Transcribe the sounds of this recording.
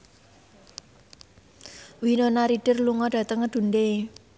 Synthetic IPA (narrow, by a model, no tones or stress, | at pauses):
winonaɾiɖ̥ɪ̤rluŋɔɖ̥ä̤t̪əŋːəd̪̥ṳnde